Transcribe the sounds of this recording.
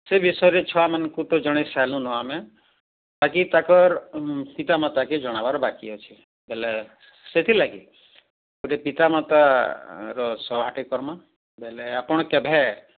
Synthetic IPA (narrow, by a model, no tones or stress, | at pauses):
sebisɔɾit͡ʃʰɔamankut̪ɔd͡ʒɔɽ̃esalũnɔamẽ | t̪akit̪akɔɾpit̪amat̪aked͡ʒɔɽ̃abaɾɔbakijɔt͡ʃʰi | bɛlɛ | set̪ʰilaɡḭ | koʈepit̪amat̪a | ɾɔsɔbʱaʈikɔɾmã | bɛlɛapɔɽ̃ɔkɛbʱɛ